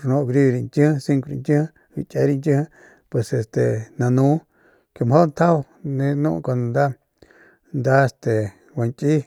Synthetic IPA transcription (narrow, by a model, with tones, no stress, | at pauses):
nõ˧ɡɾi˦˧ɾi˧nt̪ʲĩ˦˧si˦ŋku˧ɾi˧ntĩ˦h | ḭ˧t͡ʃʼe˧˦ɾi˧ntʲĩ˦h | pwe˨se˨st̪e˨nã˧nũ˦ | ke˧˨m˨ho˦˧nt̪ʰa˦˧ | nẽ˦nṵ̃˦ʔko˧ñ˧˨nd̪a˦ | nd̪a˦e˧st̪e˨ | wa˨nkʼi˦